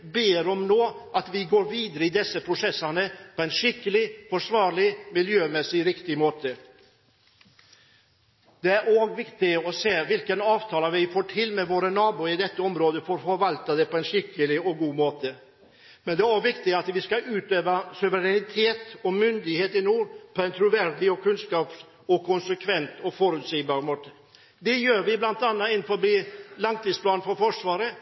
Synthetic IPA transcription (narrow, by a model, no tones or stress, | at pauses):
beːɾɔmnoːʔɑt̪ʋɪɡoːɾʋiːd̪əɾəɪd̪ɛsːəpʰɾʊsɛsːɑnəpʰɔɛnʂɪkːəlɪfɔʂʋɑːɾɭɪmɪljøːmɛsːɪɾɪkt̪ɪmoːt̪ə | d̪̥ɛæɾoːɡʋɪkt̪ɪɔseːʋɪlkənɑːʋt̪ʰɑːlɑʋɪfoːʈʰɪlmɛʋoːɾənɑːbuːɪd̪ɛt̪ːəɔmɾoːd̪əfɔɾfɔɾʋɑlt̪ɑd̪ɛpʰɔɛnʂɪkːəlɪɔɡuːmoːt̪ə | mɛnd̪ɛæʋɪkt̪ɪɑt̪ʋɪskɑʔʉːt̪øːʋəsʉʋəɾɛnɪt̪ʰeːt̪ɔmʏnd̪ɪheːt̪ɪnuːɾpʰɔɛnt̪ʰɾʊʋæɾd̪ɪɔkʰʉnskɑːps | ɔkʰʊnsəkʰʋɛnt̪ɔfɔɾʉːt̪siːbɑːɾmoːt̪ə | d̪ɛjøːɾʋɪblɑnt̪ɑnːɑɪnfɔɾɔbliːlɑŋt̪iːspʰlɑːnfɔɾfɔʂʋɑːɾə